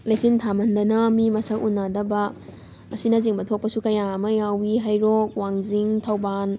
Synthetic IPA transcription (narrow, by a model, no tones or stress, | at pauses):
lasintʰamɐndɐnɐmimɐsɐkunːadɐbɐ | ɐsinɐziŋbɐtʰok̚pɐsukɐjamɐjawiɦajɾok̚waŋziŋtʰawban